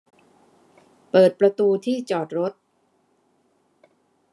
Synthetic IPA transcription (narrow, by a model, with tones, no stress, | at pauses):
pɤː˨˩t̪̚pɾa˧t̪uː˧t̪ʰiː˥˩t͡ɕɔː˨˩t̪̚ɾo˦˥t̪̚